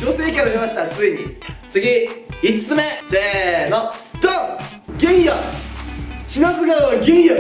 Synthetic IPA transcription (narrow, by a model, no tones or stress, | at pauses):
d͡ʑose̞ːkʲeɾoɕimaɕi̥t̪at͡sɨeɲ̟ḭt͡sɨɡʲiit͡sɨ̥t͡sɨmesenod̪̥o | ɡẽɰ̃ja | ɕinasɨɡaaɡʲẽɰ̃jo